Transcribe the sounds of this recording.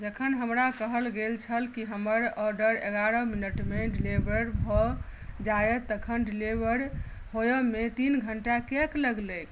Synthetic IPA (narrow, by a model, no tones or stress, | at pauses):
d͡ʒəkʰənɦəmɾakəɦəlɡelt͡ʃʰəlkiɦəməɾɔɖəɾeɡaɾəminəʈmeɖilebəɾbʱɔd͡ʒajət̪əkʰənɖilebəɾ | ɦojəmet̪inɡʱəɳʈakekləɡlək